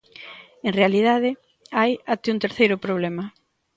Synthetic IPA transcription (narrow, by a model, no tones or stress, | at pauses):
eŋrealiðaðɪ | ajat̪ɪuŋt̪eɾθejɾʊpɾoβ̞lɛmɐ